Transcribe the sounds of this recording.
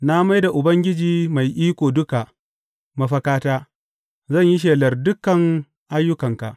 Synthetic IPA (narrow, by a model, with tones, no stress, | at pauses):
na˦ma˦jda˨ʔʊ˨bɐ˦ŋɡʲɪ˦d͡ʒiː˨ma˨jʔiː˦kʷoː˨dʊ˦ka˨ | mɐ˦ɸɐ˦kaː˦taː˦ | zɐ˦˨ɲjɪ˦ʃ̬eː˨lɐ˨rdʊ˦kɐ˨ŋ | ʔa˦jːʊ˦kɐ˨ŋka̰˨ʔ